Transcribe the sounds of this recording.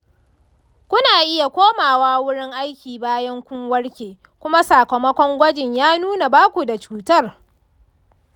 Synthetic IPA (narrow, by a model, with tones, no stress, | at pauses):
kʷʊ˦naː˨ʔɪ˦ja˨kʷoː˦maː˨waː˦wʊ˦ɽɪ˦ŋʔa˦jkʲiː˨baː˦jɐ˦ŋkʷʊ˦ŋwɐ˦ɽkʲeː˨ | kʷʊ˦ma˦saː˨kɐ˨mɐ˦kʷɔ˦ŋɡʷɐ˦d͡ʒɪ˨ɲjaː˦nuː˦na˨baː˦kʷu˨da˨t͡ʃuː˨tɐ˦r